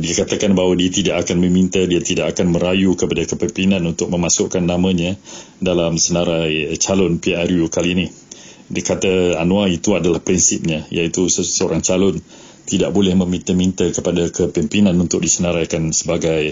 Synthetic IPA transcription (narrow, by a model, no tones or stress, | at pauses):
diakat̪akanbaɦwadiat̪idaʔakanmə̃mint̪adiat̪idaʔakanməɾajukəpadakəpɛmpinãnunt̪ʊk̚mə̃masʊʔkanːamə̃ɲa | dalamsənaɾajt͡ʃalʊnpiaɾjukalinih | dikat̪aanũait̪uadalahpɾinsip̚ɲajait̪usəoɾaŋt͡ʃalʊn | t̪idaʔ̚bolɛhmə̃mint̪əmint̪akəpadakəpɛmpinãnunt̪ʊk̚disənaɾajkansəbaɡaj